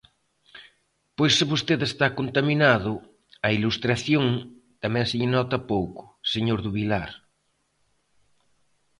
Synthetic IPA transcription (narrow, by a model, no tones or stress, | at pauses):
pojsːɪβost̪eðest̪akont̪aminaðʊ | ɐilust̪ɾaθjõŋt̪amɛ̃ŋsɪʎɪnɔt̪ɐpowkʊ̥seɲoɾðuβilaɾ